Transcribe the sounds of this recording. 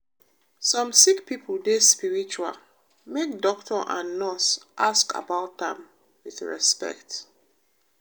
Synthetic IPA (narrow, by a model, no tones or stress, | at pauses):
sɔ̃msikpipʰəldespiɹit͡ʃua̰l | mek̚dɔktʰɔʔã̰nːɔsʔaska̰baʊt̚ðɛ̃m | wiθɹɛ̰spɛ̰kt